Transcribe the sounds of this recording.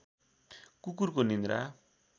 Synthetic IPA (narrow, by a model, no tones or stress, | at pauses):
kukurkonind̪ɾa̰